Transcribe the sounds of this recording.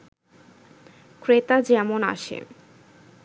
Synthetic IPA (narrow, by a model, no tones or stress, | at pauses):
kɾet̪ad͡ʑɛmona̰ʃḛ